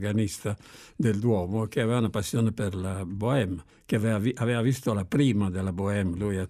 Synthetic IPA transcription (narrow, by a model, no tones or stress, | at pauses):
ɡanist̪ad̪eld̪wɔːmokeavɛːvaunapasːjoːnepeɾlaboɛm | kevvavɛːvavist̪olapɾiːmad̪elːaboɛmluja